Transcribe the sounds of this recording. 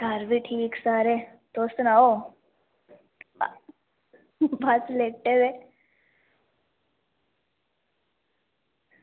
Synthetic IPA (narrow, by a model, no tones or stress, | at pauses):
kaɾʋiʈʰiːksaːɾe | t̪oːst̪nao | baslek̚ʈebe